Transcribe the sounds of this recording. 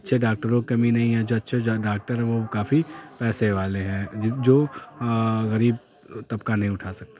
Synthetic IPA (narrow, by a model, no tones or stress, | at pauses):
ɐtːʃʰeɖaːk̚ʈəɾõkɐminɐɦĩɦɛ̃d͡ʒoːɐtːʃʰeɖaːk̚ʈəɾɦɛ̃ʋokaːfipɛːseʋaːleɦɛ̃ːd͡ʒɪd͡ʒoː | ɣɐɾiːb̚ | t̪ɐbkanɐɦĩʊʈʰaːsɐk̚t̪a